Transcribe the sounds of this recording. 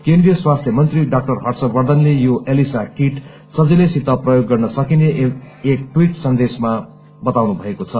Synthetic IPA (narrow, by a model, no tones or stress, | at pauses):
kẽndrijʌswast̪ʰjʌmʌnt̪riɖak̚ʈʌrɦʌrsʌbʌrd̪ʌnlejoʔelisaʈiʈ | sʌd͡zilesit̪ʌprʌjoɡːʌrnʌsʌkineː | k̚ʈwiʈsʌnd̪esma | bʌt̪awnubʱʌekot͡sʰʌ